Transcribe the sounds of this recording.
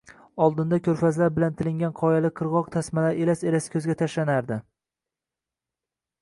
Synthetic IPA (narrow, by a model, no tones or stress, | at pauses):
ɒlˠd̪ɪnd̪akʲʰɵɾfazlaɾbɪlant̪ʰɪlɪŋɡʲanqʰɒjalɪqʰɨɾʁɒq̚t̪ʰasmalaɾelaselasɪ̥kʲʰɵzɡʲat̪ʰaʃlanaɾd̪ɪ